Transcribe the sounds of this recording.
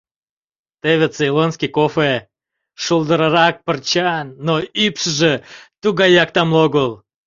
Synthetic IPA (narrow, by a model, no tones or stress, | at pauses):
t̪eβet͡silonskʲikofe | ʃulˠd̪əɾɑɾɑk̚pərt͡ɕɑnːoypʃəʒet̪uɣɑjɑk̚t̪ɑmloɣolˠ